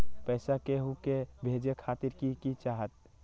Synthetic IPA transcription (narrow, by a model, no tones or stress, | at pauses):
pɛːsakeɦukebʱeːd͡ʒekʰaːt̪iɾkikit͡ʃaːɦət̪̚